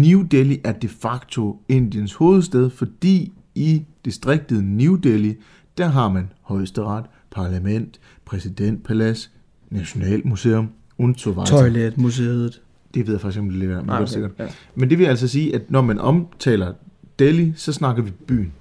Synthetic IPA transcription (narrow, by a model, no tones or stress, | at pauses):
niʊd̥eliʔæɐd̥e̝fɑ̈ɡ̥t͡sʰo̝e̝n̰d̥jənsho̝ːð̞̩ˠsd̥eð̞ˠfɒ̽d̥ḭː | id̥e̝sd̥ʁeɡ̥̚d̥əð̩ˠnud̥eli | d̥æɐɦɑ̈mænhɒ̽ɪsd̥əʁɑ̈d̥ | pʰɑ̈læmen̰d̥ | pʰʁɛsid̥en̰d̥̚pʰælæs | næɕo̝nɛ̰ːl̰muse̝ːom | ont͡sʰoʋɑ̈ɒɪled̥mus̬eð̩ˠ | d̥e̝ʋeðˠjɐfɑ̈ɡ̥isɡɒ̽md̥e̝leɡ̥ɐmnɒ̰ːd̥e̥se̝ɡ̥ɐd̥ | mend̥eʋe̝jæl̰s̬ɒ̽siːʔæd̥nɒmænʔɒ̽mt͡sʰɛ̰ːlɐd̥elisɒ̽snɑ̈ɡ̥ɐʋib̥y̰ːn̩